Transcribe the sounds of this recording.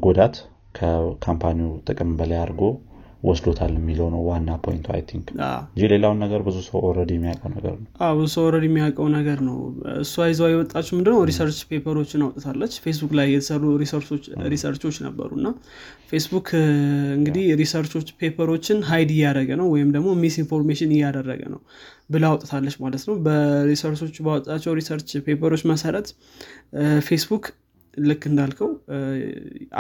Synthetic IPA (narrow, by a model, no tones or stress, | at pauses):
ɡod̪at̪ | kʰəkʰampʰaniut̪ʼɨkʼɨmbələjaɾɡo̞ | wɔsd̪ot̪ʰalɛmːiləwnəwwanːapʰo̰jḭnt̪ʰua̰jt̪ʰiŋka̰ɨɲd͡ʒile̞lawnːəɡəɾbɨzusəwɔɾəd̪jɛmːijakʼəwnəɡə̰ɾnəwʔawbɨzusəwɔɾəd̪jɛmːijakʼəwnəɡəɾnəwɨ̰sːuajzəwajɛwɔt̪ʼːat͡ʃːɛmɨnd̪ɨnəwɾisəɾt͡ʃpʰe̞pʰəɾo̞t͡ʃːɪnawt̪ʼt̪ʰalːət͡ʃːfe̞s̬bukʼlajːɛt̪ʰə̥sərːuɾisəɾso̞t͡ʃːɾisəɾt͡ʃo̞t͡ʃːnə̰bːə̰ɾuɨnːa | fe̞sbukʰɨŋɡɨd̪ihɾisəɾt͡ʃo̞t͡ʃːpʰe̞pʰəɾo̞t͡ʃːɪnɦajd̪ɪjːadɾəɡənəwwɔjɪmd̪əɡmo̞misinfo̞ɾmeʃɪnɪjːad̪ərːə̰ɡə̰nə̰w | bɨlawɔt̪ʼt̪ʰalːət͡ʃːmalət̪nəwbəɾisəɾt͡ʃʰo̞t͡ʃːbawɔt̪ʼːat͡ʃːɛwɾisəɾt͡ʃpʰe̞pʰəɾo̞t͡ʃːməsəɾət̪ | fe̞sbuk | lɨkːɨnd̪alkʰəw